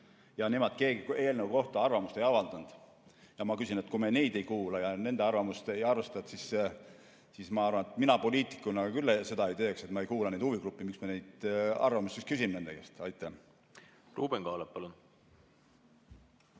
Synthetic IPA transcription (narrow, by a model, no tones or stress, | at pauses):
jɑnemod̪̥̚ke̞ːɡie̞ːlnevuko̞ht̪ɑɑrvɑmust̪e̞jɑvɑld̪̥ɑnd̪̥ | jɑmɑkysinet̪kumenejd̪e̞jkuːlɑjɑne̞nd̪e̞ɑrvɑmust̪e̞jɑrve̞st̪ɑt̪sis | sismɑɑrvɑnet̪minɑpo̞lʲiːt̪ˑi̥kːˑunɑɡɑkylːese̞d̪ɑe̞jt̪eːkse̞t̪mɑejkuːlɑnejd̪uviɡrupːˑimiksmenejd̪̥ɑ̰rvɑmust̪ːest̪kys̬ʲimne̞nd̪eɡest̪ɑjt̪ːˑæh | ruːb̥eŋɡ̥ɑːleppɑlun